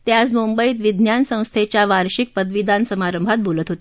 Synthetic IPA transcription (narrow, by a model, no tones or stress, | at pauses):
t̪jat͡smumbəiːt̪ʋid̪ʱnjansə̃w̃st̪ʰet͡ɕjaʋaɾɕik̚pəd̪ʋid̪ʱansəmaɾəmbʱat̪̚bʱolət̪ɦot̪e̥